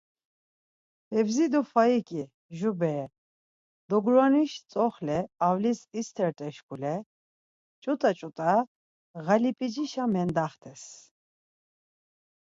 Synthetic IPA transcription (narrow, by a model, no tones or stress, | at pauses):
ɛvzid̪ufaikʼi | ʒubɛ | d̪̥ɔɡɾaniʃt͡sʼɔχlɛawlisist̪ʰɛɾt̪ʼɛʃkʰʼulɛ | t͡ʃʼut̪ʼat͡ʃʼut̪ʼa | ɣalipʼid͡ʒiʃamɛnd̪aχt̪ʰɛs